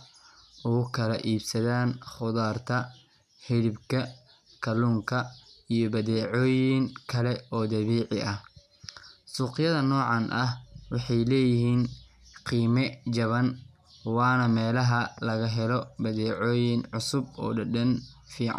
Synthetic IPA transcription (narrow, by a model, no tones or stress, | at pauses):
ʔʊɣʊkʰɐlɐʔiːbsɐðaːnχʊðaːrt̪ʰɐ | hɪɽɪbkʰɐ | kʰɐluːŋkʰɐijɔbɐðɛːʕɔːjɪŋkʰɐlɛɔːd̪ɐβiːʕɪʔɐh | suːqɪjɐðɐnɔːʕɑnʔɐhwɑħɑjlɛːjɪɦiːn | qiːmɛt͡ʃɐβɐn | wɑːnɐmɛːlɐɦɐlɐɣɐɦɛlɔbɐðɛːʕɔːjɪnʕʊsʊbɔ̰ːɖɐɖɐnfiːʕa̰n